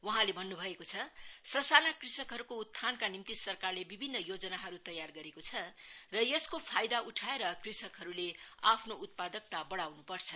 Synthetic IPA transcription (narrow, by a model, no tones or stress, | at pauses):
wʌɦãlebʱʌnːubʱʌekot͡sʰʌsʌsalakrisʌkɦʌɾukout̪ʰːankanimt̪isʌrkarlebibʱinːʌjod͡zʌnaɦʌɾut̪ʌjarɡʌɾekot͡sʰʌrʌjeskopʰajd̪auʈʰaeɾʌkrisʌkɦʌɾuleapʰnout̪̚pad̪ʌk̚t̪abʌɽawnupʌrt͡sʰʌ